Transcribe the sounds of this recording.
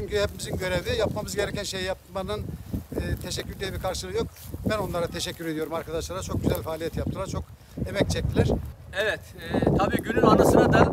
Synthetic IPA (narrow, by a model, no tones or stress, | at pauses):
t͡ʃʰyɲcʰyhɛpʰimizinɟø̞ɾevijapmamɯzɟe̞ɾɛcænʃe̞jijap̚manɯnː | t̪ʰeʃɛcʰʲːyɾd̪ʲijibiɾkʰaɾʃɯlˠɯjo̞kbæno̞nlˠaɾat̪ʰeʃɛcʰːyɾe̞d̪ijo̞ɾumaɾkʰad̪aʃlˠaɾat͡ʃʰo̞k̚ɟyzælʲfaːlʲijɛt̪jap̚t̪ʰɯlˠaɾt͡ʃʰo̞k | e̞mɛc̚t͡ʃʰɛc̚t̪ʰilʲæɾ̥ | ɛvɛt̪ɛt̪ʰabiːɟynynanasɯnad̪a